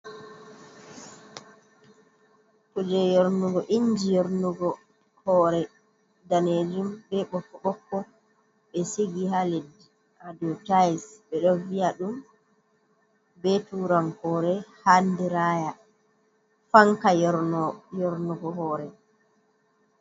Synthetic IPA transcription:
kud͡ʒɛjoɾnuɡɔʔiɲd͡ʒijoɾnuɡɔ | hɔːɾɛ | daned͡ʒumbɛɓɔkːɔɓɔkːɔ | ɓɛsiɡihaledi | ʔadɔtajsɓɛɗɔvijaɗum | bɛtuɾaŋhɔːɾɛhandiɾaːja | faŋkajɔɾnɔjɔɾnuɡɔhɔːɾɛ

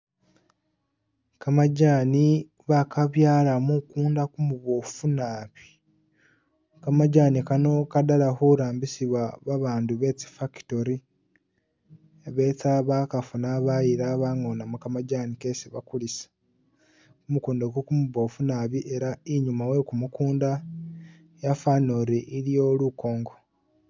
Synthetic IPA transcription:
kamaɟaːni | βakaβjaːlamukuːndakumuβoːfunaːβi̥ | kamaɟaːnikano̞kadalahoɾaːmbisiβwaβaβaːnduβe̞t͡si̥faki̥toɾi | βe̞t͡saβakafunaβajiɾaβaŋonamukamaɟanikesiβa̰kulisḁ | kumukuːndakukumuβoːfunaβiʔeɾaiɲumawe̞kumukuːnda | jafanoɾeʔilijo̞luko̞ːŋɡo

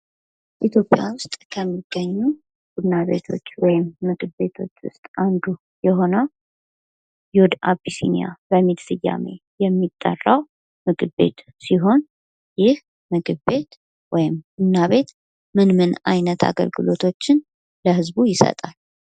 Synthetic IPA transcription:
ʔit̪ʰjo̞pʼːja̰wʊst̪ʼkʰəmːiɡ̥ːəɲːu | b̥ud̪naβe̞̰t̪ʰo̞̰t͡ʃːwɔjɪmːɨɡʼɨbe̞t̪ʰo̞t͡ʃːwʊ̰st̪ʼand̪u | jɛho̞nə | jud̪abisḭnḭja̰bəmid̪fɨjːa̰me̞̰jɛmːit̪ʼːə̰rːəw | mɨɡɨbe̞̰t̪ | siɦo̞n | jɪh | mɨɡɨe̞t̪ | wɔjɪmɡudnaβe̞t̪ | mɨnmɨna̰jnət̪ʰa̰ɡə̰lɡɨlo̞t̪ʰo̞t͡ʃːɪn | ləhɨzbujɪsə̰t̪ʼal

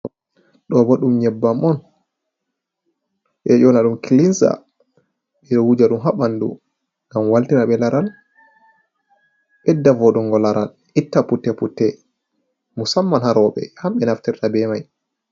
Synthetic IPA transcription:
ɗɔbɔɗumɲɛbːamɔn | ʔɛjɔnaɗumkilinsa̰ | ɓɛɗɔwud͡ʒaɗumɦaɓandṵ | ŋɡamwaltiɾaɓɛlaɾal | ɓɛdːavɔɗɔŋɡɔlaɾal | itːaputːɛputːɛ | musamːanhaɾɔɓɛ̰hamɓɛnaftɛɾtabɛmaj

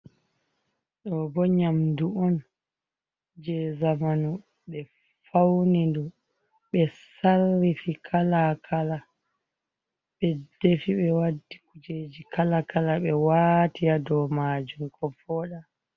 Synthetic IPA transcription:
ɗɔbɔɲamduɔn | d͡ʒɛzamanu | ɓɛ | fawnindu | ɓɛsalːifikʰalakʰala | ɓɛdefiɓɛwadːikud͡ʒed͡ʒikalakalaɓɛwaːtijadɔmaːd͡ʒumkʰɔbɔːɗa

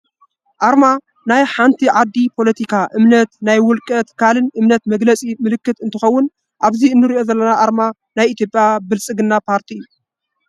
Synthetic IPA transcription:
ʔaɾma | najħant̪ʰiʕad̪ːipʰo̞lɐt̪ʰikʰaʔɨmnɐt̪najwʊlkʼɐt̪kʰalɨnʔɨmnɐt̪mɐɡlɐt͡sʼimɨlɨkːɨt̪ɨnt̪ʰɨxɐwːʊn | ʔaβziɨnːɨɾiʔo̞zɐlːɐnaʔaɾma | najit̪ʰjopʼjabɨlsʼɨɡɨnːapʰaɾt̪ʰiɨjːu

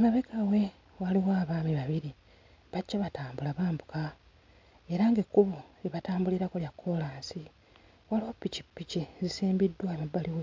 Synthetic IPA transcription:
ŋɡaβekʰawe̞ | waliwaːβaːmiβaβiɾi | βacːaβataːmbulaβaːmbuka | e̞ɾaŋɡekːuβueβataːmbuliɾakoljakʰːo̞laːnsi | walopːicipːicizisiːmbidːwamabːaliwe

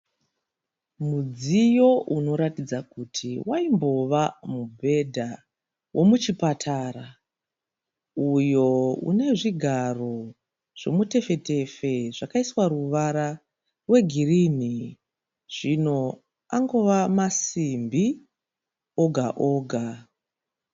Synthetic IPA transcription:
mud͡zijo̞ʔuno̞ɾatid͡zakutʰiwʔaimbo̞ʋamubʱe̞dʱa | wʔo̞mut͡ʃipatʰaːra | ujo̞ṵne̞ʐiɡʱaro̞ | ʐ̥e̞mute̞fe̞te̞fe̞ʐakaiswaɾuʋaɾa | rwe̞ɡʱirini | ʐ̥ino̞ | aŋɡo̞ʋamasimbi | oɡʱaʔoːɡʱa

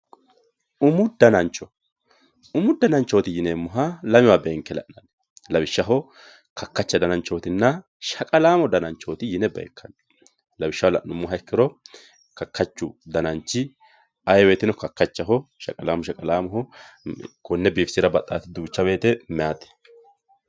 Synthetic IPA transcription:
ʔʊmʊd̪ɐnɐnt͡ʃːɔ | ʊmʊd̪ɐnɐnt͡ʃːoːt̪ɪjɪneːmːʊɦalɐmɪwaːbeːŋkːɛlɐ̰ʔnɐn | lɐbɪʃːɐɦɔ | kɐkːɐt͡ʃːɐd̪ɐnɐnt͡ʃːoːt̪ɪnːɐ | ʃɐkʼɐlaːmɔd̪ɐnɐnt͡ʃːoːt̪ɪjɪnɛbɛ̰ɛkʰːɐn | lɐbɪʃːɐwɔlɐ̰ʔnʊmːʊɦɐɪkːɪɾɔ | kɐkːɐt͡ʃːʊd̪ɐnɐnt͡ʃːɪ | ɐjwe̞ːt̪ɪnɔkɐkːɐt͡ʃːɐɦɔʃɐ̰kʼɐlaːmɔʃɐkʼɐlaːmɔɦɔ | kɔnːɛbiːfsɪɾɐbɐt̪ʼːaːt̪ɪd̪uːt͡ʃːɐbe̞ːt̪ɛmɛjaːt̪ɛ̥

